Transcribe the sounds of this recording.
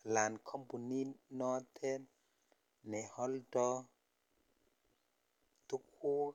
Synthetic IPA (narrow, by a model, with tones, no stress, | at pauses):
la˨nkʰɔ˦mbu˨ni˦nɔ˦tʰɛ˦ | nɛ˨hɔ˦ldɔ˦ | tu˦kʰu˦